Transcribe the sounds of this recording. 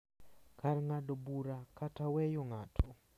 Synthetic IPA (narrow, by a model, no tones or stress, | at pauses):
kʰarŋadɔbuɾakatawɛjoŋatʰɔ